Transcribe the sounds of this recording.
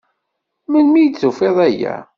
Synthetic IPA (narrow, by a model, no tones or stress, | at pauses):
mənmijət͡sːufeðˤæjæ̰